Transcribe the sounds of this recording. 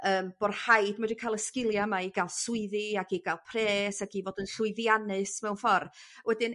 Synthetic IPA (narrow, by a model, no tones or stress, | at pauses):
əːmb̥orhajdmadikʰalˠəskɪlˠjamaiɡalˠsʊɨðɨaɡiɡalˠpʰreːsaɡivoːdənɬʊɨðjanɨsmɛwnfɔrwɛdɨn